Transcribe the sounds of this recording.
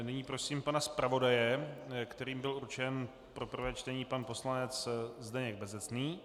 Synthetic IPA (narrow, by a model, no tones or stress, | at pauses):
nɪɲiːpɾo̞siːmpanaspɾavo̞dajɛkt̪ɛɾiːmbɪluɾt͡ʃɛn | pɾo̞pr̩vɛːt͡ʃt̪ɛɲiːpanpo̞slanɛt͡szd̪ɛɲɛɡ̚bɛzɛt͡sniː